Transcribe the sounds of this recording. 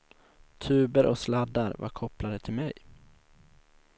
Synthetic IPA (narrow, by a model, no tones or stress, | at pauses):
t̪ʰʉ̟ːbəɾʔɔslad̪ːaɾva̰ɾkʰɔplad̪ət̪ʰɪlmɛj